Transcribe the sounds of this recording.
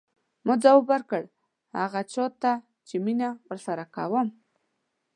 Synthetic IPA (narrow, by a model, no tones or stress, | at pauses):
mʊzawobəɾkəɽ | ha̰ɣat͡ʃɔt̪ːa | t͡ʃeminawəɾsaɾaka̰wəm